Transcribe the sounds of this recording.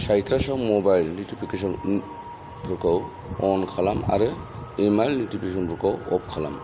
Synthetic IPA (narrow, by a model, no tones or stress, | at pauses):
sajtʰɾasɔwmɔbajlnutipʰikesɔn | pʰɯkaw | ɔnkʰalama̰ɾɯ | emajlnutipʰis̬ɔnpʰukawɔp̚kʰala̰m